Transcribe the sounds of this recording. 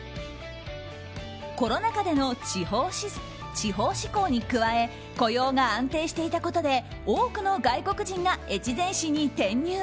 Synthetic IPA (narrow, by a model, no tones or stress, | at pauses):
ko̞ɾo̞nakad̪e̞no̞t͡ɕihoi | t͡ɕiɦo̞ːɕi̥ko̞ːɲ̟ikɯ̟βae̞ | ko̞jo̞ːɡaãnt̪e̞ːɕi̥t̪e̞it̪ako̞t̪o̞d̪e̞ | oːkɯ̟no̞ɡaiko̞kɯ̟ʑĩŋɡae̞t͡ɕizẽ̞ɰ̃ɕiɲ̟ːit̪ẽ̞ɲ̟ːɨː